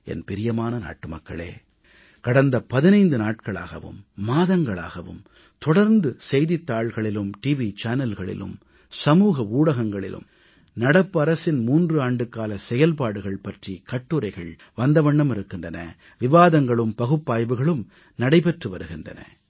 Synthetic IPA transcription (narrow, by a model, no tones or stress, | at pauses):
ɛ̰npɪɾɪjɐmaːnɐna̰ːʈːɯmɐkːɐ̰ɭḛː | kɐɽɐnd̪ɐpɐðɪnɐɪnd̪ɯnaːʈ̚kɐɭa̰ːɣɐ̰ʋɯ̰mːaːðɐŋɡɐɭa̰ːɣɐʋɯ̰m | t̪ɔɽɐɾnd̪ɯsɛjðɪt̪ːaːɭɣɐɭɪlɯmʈiːʋit͡ʃaːnɐlɣɐɭɪ̰lɯ̰m | sɐmuːɣɐuːɽɐɣɐŋɡɐɭɪ̰lʔɯ̰m | nɐɽɐpːɯɐɾɐsɪnmuːndrɯaːɳɖɯkːaːlɐsɛjɐlpaːɽɯɣɐɭpɐʈrikɐʈːɯɾɐɪɣɐɭ | ʋɐnd̪ɐʋɐɳːɐmɪɾɯkːɪndrɐnɐ̰ | ʋɪʋaːðɐŋɡɐɭɯmpɐɣɯpːaːjʋɯɣɐɭɯm | nɐɽɐɪpɛʈrɯʋɐɾɯɣɪndrɐ̰nɐ̰